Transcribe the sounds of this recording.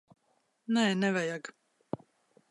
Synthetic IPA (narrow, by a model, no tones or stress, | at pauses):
nɛːnɛvɛjaɡ